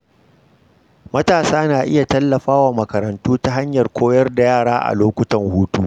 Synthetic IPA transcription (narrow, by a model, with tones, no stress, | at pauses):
mɐ˦taː˨saː˦naː˨ʔɪ˦ja˨tɐ˦lːɐ˨ɸaː˦waː˨mɐ˨kɐ˨ɾɐ˨ntuː˦ta˦ɦa˦ɲjɐ˨rkʷoː˦jɐ˦rda˨jaː˦˨ɽaː˦ʔa̰˨loː˦kʷʊ˦tɐ˨ŋhuː˦tuː˦